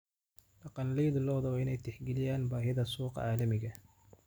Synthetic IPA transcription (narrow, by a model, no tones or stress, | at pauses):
dɑqɑnlɛjðlɔːðɔwɪnɛjt̪ʰɪħɡɛlɪjaːnbaːɦɪðɐsuːqɑ̰ʕaːlɐmɪɣɐ